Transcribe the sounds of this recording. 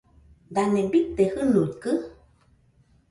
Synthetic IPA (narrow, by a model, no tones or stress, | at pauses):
d̪anẽbit̪ehɨnut̪kɨ